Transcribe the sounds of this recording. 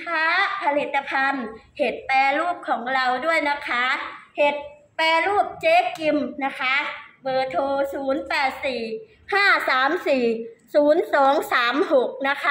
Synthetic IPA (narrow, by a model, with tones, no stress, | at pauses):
kʰa˦˥pʰa˧li˨˩t̪ːa˧pʰa˧nhe˨˩t̪̚pɛː˧ɾuː˥˩p̚kʰɔː˩˦ŋɾa˧wdu˥˩əjna˦˥kʰa˦˥he˨˩t̪̚ | pɛː˧ɾuː˥˩p̚t͡ɕeː˦˥ki˧mna˦˥kʰa˦˥bɤː˧t̪ʰoː˧suː˩˦npɛː˨˩t̪̚siː˨˩ | haː˥˩saː˩˦msiː˨˩suː˩˦nsɔː˩˦ŋsaː˩˦mho˨˩k̚na˦˥kʰa˦˥